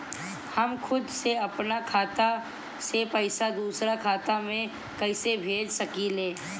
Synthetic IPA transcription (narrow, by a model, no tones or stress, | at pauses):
hɐmxʰʊd̪seɐpnakʰaːt̪a | sepɐɪsad̪uːsɾakʰaːt̪amẽ | kɐɪsebʱeːd͡ʒsɐkileː